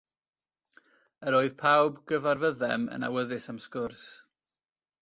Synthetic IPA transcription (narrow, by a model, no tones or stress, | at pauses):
əɾoɨð̥pʰawbɡəvarvəðɛmə̰na̰wəðɨsamskʊrs